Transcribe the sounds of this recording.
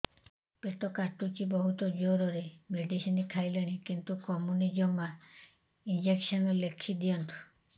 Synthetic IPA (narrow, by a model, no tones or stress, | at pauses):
pet̪ɔkaʈut͡ʃibɔɦut̪ɔd͡ʒoɾɔɾemeɖisinikʰajleɽ̃ikint̪ukɔmunid͡ʒɔmːa | ind͡ʒeksɔnɔlekʰid̪ijɔnt̪u̥